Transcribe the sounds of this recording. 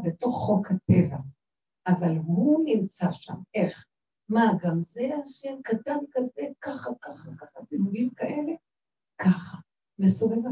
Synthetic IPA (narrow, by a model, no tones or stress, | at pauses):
beto̞χːo̞khate̞va̰ | ʔavalhunimt͡saʃa̰me̞χ | maɡamzeaʃemkatankazekaχakaχakaχasivuɡimkaʔe̞le̞ | kaχa | besoveva